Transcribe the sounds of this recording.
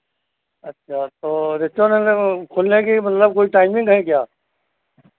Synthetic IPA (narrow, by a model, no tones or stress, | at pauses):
ətːʃʰaːt̪oːɾɪst͡ʃõnekʰʊlnekimət̪ləb̚koːiʈaːɪmɪ̃ŋɡɦɛ̃kjaː